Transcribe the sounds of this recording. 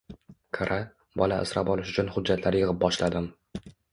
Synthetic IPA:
kʰaɾʔa | bɒlaɪ̰sɾapɒlɪʃʊt͡ʃʰʊnhʊd͡ʒːat̪ʰlaɾjɨʁɪp̚bɒʃlad̪ɪm

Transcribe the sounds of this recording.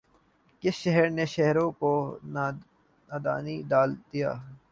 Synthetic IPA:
kɪsʃɐɦəɾneʃɛɦɾõko | naːd̪a̰ːnid̪aːld̪ija̰ː

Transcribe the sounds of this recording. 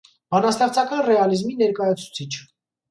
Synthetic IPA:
bɑnɑst̪ɑχt͡sʰɑkɑnrɛɑlizminɛɾkɑjɑt͡sʰu̥t͡sʰit͡ʃʰ

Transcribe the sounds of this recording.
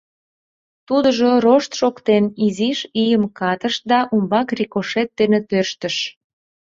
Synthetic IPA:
t̪ud̪əʒoroʃt̪ʃokt̪eniziʃijəmkɑt̪əʃd̪ɑʔumbɑkrikoʃet̪̚d̪enet̪ørʃt̪əʃ

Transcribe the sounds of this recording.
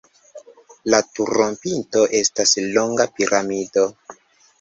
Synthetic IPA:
latuɾompinto̞ʔe̞staslo̞ŋɡapiɾamido̞

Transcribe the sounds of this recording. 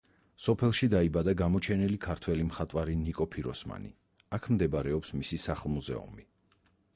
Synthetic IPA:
sɔpʰɛlˠʃid̪aibad̪aɡamɔt͡ʃʰɛnilikʰaɾt̪ʰwɛlimχat̪ʼwaɾinikʼɔpʰiɾɔsma̰nḭ | akʰmd̪ɛbaɾɛɔpsmisisaχlˠmuzɛ̰ṵmi

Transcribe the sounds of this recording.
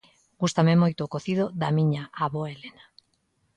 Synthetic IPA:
ɡust̪amemojt̪oːkoθið̞oðamiɲaʔaβoelena

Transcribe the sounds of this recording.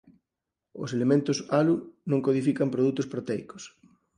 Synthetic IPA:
o̰selemẽnt̪osalunõŋkoð̞ifikampɾoð̞ut̪ospɾot̪ɛjko̥s

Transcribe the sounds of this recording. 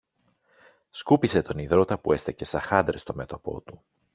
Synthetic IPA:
skupise̞t̪o̞niðɾo̞t̪ɐpue̞st̪ece̞sɐxɐnd̪ɾest̪o̞me̞t̪o̞po̞̰t̪u

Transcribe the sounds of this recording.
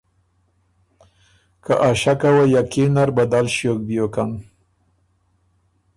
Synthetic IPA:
kaʔaʃakawajakenaɾbad̪alʃjok̚bijokan

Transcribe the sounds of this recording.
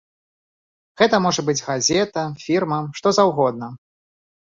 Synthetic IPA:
ɣɛt̪ɐmɔʐɐbɨd͡zʲɣazʲɛt̪ɐfʲirmɐmʂt̪ɔzawɣɔd̪̚nɐ

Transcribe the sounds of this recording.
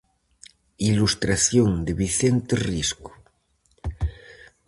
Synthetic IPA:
ilust̪ɾaθjoŋd̪eβiθent̪erisko̥

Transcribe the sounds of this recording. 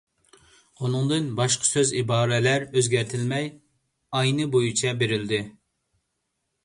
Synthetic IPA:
unɨŋd̪ɨnbɑʃqʰə̥søzibɑːɾɛlæɾøzɡʲæɾt̪ʰɪlmɛj | ɑjnɨbojut͡ʃʰɛbeɾɪld̪ɪ

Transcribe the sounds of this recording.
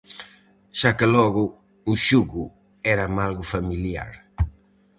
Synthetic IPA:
ʃakɪlɔɣʊ | uʃuɣʊ | ɛɾamalɣʊfamilja̰ɾ

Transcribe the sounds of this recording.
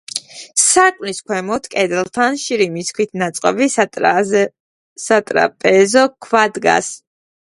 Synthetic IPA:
sakʼniskʰwɛmɔt̪ʰkʼɛd̪ɛlˠt̪ʰanʃiɾimiskʰwit̪ʰnat̪sʼqʼɔbi | sat̪ʼɾa̰pʼɛzɔkʰwad̪ɡa̰s

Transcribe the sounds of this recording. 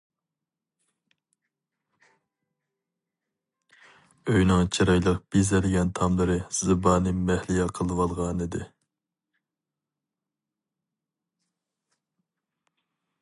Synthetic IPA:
øjnɪŋt͡ʃʰiɾɑjlˠəqb̥izɛlɡʲɛnt̪ʰɑmlˠɨɾɨz̥ɨbɑːnɨmɛhlɪjɛqʰəlˠɨwɑlˠʁɑːnɨd̪ɨ

